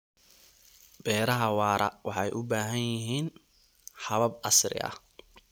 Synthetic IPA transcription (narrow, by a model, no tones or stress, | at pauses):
b̥ɛːɾɐɦɐwɑːɾɐ̰wɑħɑjʔʊbaːɦɐnjɪɦiːn | ħɑβɐbɐsrɪ̰ʔɐ̰